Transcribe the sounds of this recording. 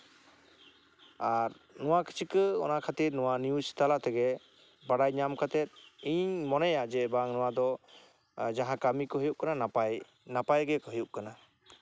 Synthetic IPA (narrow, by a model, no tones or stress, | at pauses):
aɾ | nɔwakʰi̥t͡ʃʰikəɔ̰naʔkʰat̪iɾnɔwanijusi̥t̪alat̪ɛɡɛ | baɽajɲamkʰat̪ɛt̪̚iɲmɔnɛjad͡ʒɛbaŋnɔwad̪ɔ | d͡ʒaɦãkamikɔɦəjuʔ̚kananapaj | napajɡɛkɔɦɯjuʔkana